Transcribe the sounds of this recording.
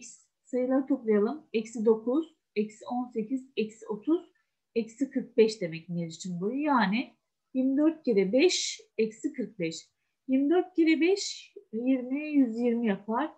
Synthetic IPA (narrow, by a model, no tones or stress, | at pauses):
s | sajɯlˠaɾt̪ʰoklˠajalˠɯmɛcsid̪o̞kʰuz̥ | ɛcso̞nse̞cʰizɛcso̞t̪ʰuz̥ | ɛcsikʰɯɾk̚bɛʃd̪e̞mɛc̚nieɾit͡ʃʰinbujujaːnɪ | jiɾmid̪øɾt̪̚ceɾɛbɛʃɛcsikʰɯɾk̚bɛʃ | jiɾmid̪øɾt̪̚cʰeɾɛbɛʃjiɾmijyzjiɾmijapʰaɾ̥